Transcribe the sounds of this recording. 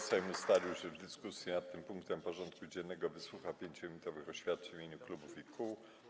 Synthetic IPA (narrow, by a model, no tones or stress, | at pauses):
sajmust̪alʲiwɕɛvd̪ɘskusʲjinat̪ːɘmpuŋk̚t̪ɛmpɔʐɔnt̪̚kud͡ʑɛnːɛɡɔvɘswuxapʲjeɲt͡ɕɔimʲit̪ɔvɘxɔɕfʲjat̪̚t͡ʂɛvʲiɲuklubufikʰuw